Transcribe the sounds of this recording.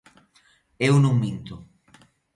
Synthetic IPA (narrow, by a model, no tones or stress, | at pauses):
ewnũŋmĩnt̪o